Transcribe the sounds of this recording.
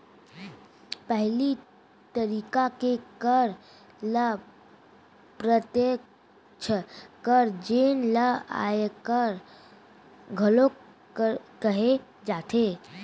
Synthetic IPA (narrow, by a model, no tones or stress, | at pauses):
pəɦli | t̪əɾiːkakekəɾ | lə | pɾət̪jek | t͡ʃʰəkəɾd͡ʒeːnləa̰ekəɾ | ɡʱəlo | kəɦe | d͡ʒaːt̪ʰe